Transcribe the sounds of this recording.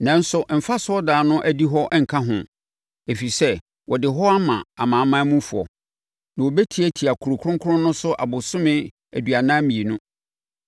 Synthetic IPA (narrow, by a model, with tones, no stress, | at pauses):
nã˦n̩˦sʊ˨ʔm̩˨fa˦sʊ˦ɔ˦daː˨˦nʊ̃˦ʔæ˦di˦ɦɔ˦ʔŋ̩˨kʰã˦ɦʊ̰̃˨ | e˨fi˨sɛ˦ | wɔ˨dɪ˨ɦɔ˦a˦mã̰˨a˨mãː˨˦mã˦mũ˦fu˨ɔ̰˨ | nã˨wo˨bɛ˦tʰi˨˦æ˦tʰi˨a˨kʰu˨ɾʊ˨kʰʊ˦ɾʊ̃˦ŋkʰʊ˦ɾʊ̃˦nʊ̃˦sʊ˦ʔa̰˨bʊ˨sʊ̃˦mɪ̃˦ | æ˨dɥa˨nã˦mĩ˨e˨nʊ̃˦